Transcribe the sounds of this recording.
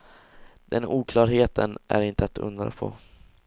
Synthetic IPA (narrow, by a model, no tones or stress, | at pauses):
d̪̥ɛnuːkʰlɑːɾɦeːt̪ʰənʔæɾɪnt̪əat̪ʰɵ̰nd̪ɾa̰pʰɔ̰